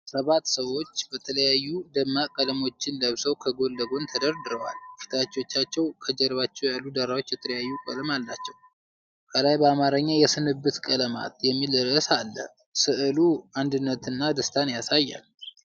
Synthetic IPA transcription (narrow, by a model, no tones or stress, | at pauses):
səβat̪ːsəwo̞t͡ʃːbət̪ʰələjajːud̪əmːakʼələmo̞t͡ʃːɪnləβsəwkʰəɡo̞lːəɡo̞nt̪ʰəd̪əɾd̪ɨɾəwa̰lfi̥t̪ʰat͡ʃːo̞t͡ʃːat͡ʃːɛwkʰəd͡ʒɛɾβat͡ʃːɛwjalːud̪əɾawo̞t͡ʃːjɛt̪ʰələjajːukʼə̰ləmalːat͡ʃːɛw | kʰəlajbəamaɾəɲːajɛsɨnɨbːɨt̪kʼələma̰t̪jɛmːiləɾəsalːə̰ | sɨʔɨluand̪ɨnːət̪ɨnːad̪əst̪ʰanjasajːa̰l